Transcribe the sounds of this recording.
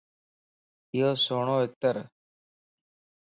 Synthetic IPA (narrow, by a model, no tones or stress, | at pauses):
ɪjoːsoːɳoːɪk̚t̪əɾ